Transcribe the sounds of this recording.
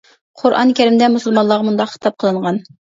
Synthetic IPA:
qʰʊɾʔɑ̰nkʲæɾɪmd̪ɛmusɨlˠmɑnlˠɑʁmund̪ɑqχə̥t̪ʰɑp̚qʰəlˠɨɴʁɑn

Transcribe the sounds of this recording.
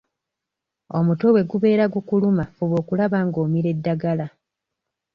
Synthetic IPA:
o̞mutowe̞ɡuβe̞ːɾaɡukulumafuβo̞ːkulaβaŋɡo̞ːmiɾe̞dːaɡala

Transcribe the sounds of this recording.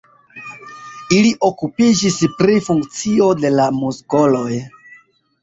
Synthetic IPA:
iliʔo̞kupid͡ʒispɾifuŋkt͡sio̞de̞lamusɡo̞lo̞j

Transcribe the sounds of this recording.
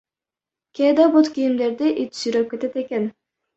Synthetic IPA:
kʲed̪abot̪kʲijimd̪eɾd̪iʔit̪ʰsyɾøp̚kʲet̪et̪ekʲen

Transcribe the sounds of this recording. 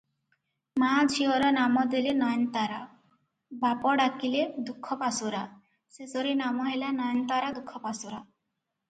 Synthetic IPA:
mad͡ʒʰʱiɔɾɔnamɔd̪elenɔjɔnt̪aɾa | bapɔɽakiled̪ukʰːɔpasuɾa | sesɔɾinamɔɦelanɔjɔnt̪aɾad̪ukʰːɔpasuɾa

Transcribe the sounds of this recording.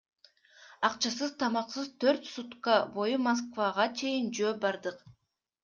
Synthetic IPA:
ɑqt͡ʃɑs̬ɯzt̪ʰɑmɑqsɯzt̪ʰøɾt̪sut̪qɑbo̞jumos̬kvaʁɑt͡ʃʰe̞jɪnd͡ʒøːbɑɾd̪ɯq

